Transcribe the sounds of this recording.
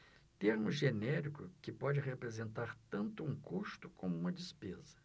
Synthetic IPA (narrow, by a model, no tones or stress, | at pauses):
t̪eɾmʊʒenɛɾikʊkɪpɔd͡ʒɪɦepɾezẽnt̪aɾt̪ɐ̃nt̪ʊũkust̪ʊkʰõmʊũmɐd͡ʒispezɐ̥